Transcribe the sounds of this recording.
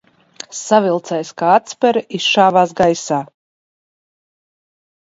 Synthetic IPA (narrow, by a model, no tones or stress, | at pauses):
savilˠt̪sɛjskaːat̪spʲɛɾisʃaːvaːs̬ɡajsaː